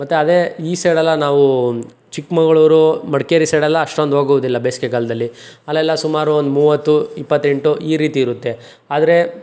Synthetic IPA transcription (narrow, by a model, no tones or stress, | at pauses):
mɐt̪ːeɐd̪e̞iːseːɽɛlːɐnaːʋu | t͡ʃikmɐɡɐɭuːɾumɐɽkeːɾiseːɽɛlːɐːʂʈo̞nd̪ɦoːɡuʋud̪ilːɐbeːsi̥kekɐːlɐd̪ɐlːiɐlːɛlːɐsumaːɾuond̪umuːʋɐt̪ːuipːɐt̪ːe̞ɳʈuʔiːɾiːt̪iːɾut̪ːe | aːd̪ɐɾe̞